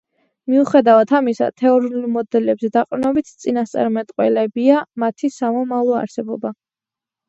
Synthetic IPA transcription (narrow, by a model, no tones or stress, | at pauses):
miuχɛd̪avat̪ʰamisa̰t̪ʰɛɔɾiunulˠmɔd̪ɛlɛbzɛd̪aqʼnɔbit̪ʰt̪sʼinast̪sʼa̰ɾmɛt̪ʼqʼwɛ̰lɛbiamat̪ʰisamɔmavlˠɔa̰ɾsɛbɔba